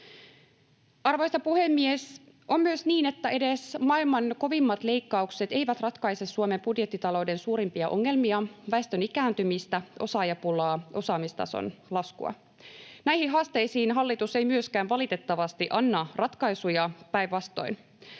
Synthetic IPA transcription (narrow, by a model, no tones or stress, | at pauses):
ɑrʋo̞jst̪ɑpuhe̞mːies | ʔo̞mːyøsniːne̞t̪ːæʔe̞de̞smɑilmɑnko̞ʋimːɑt̪leikːɑukse̞t̪e̞ijʋæt̪rɑt̪kɑise̞sːuome̞mbudjet̪ːit̪ɑlo̞wde̞nsuːɾimpiɑʔo̞̰ŋːe̞lmiɑʋæest̪ønikæːnt̪ymist̪æʔo̞̰sɑːjɑpulɑːʔo̞sɑːmist̪ɑ̰so̰nlɑskṵɑ̰ | næjhiɦɑːst̪ejsiːnɦɑlːit̪usejmyøskæːnʋɑlit̪e̞t̪ːɑʋɑst̪iʔɑnːɑrɑt̪kɑjsujɑpæjʋːɑst̪o̞̰jn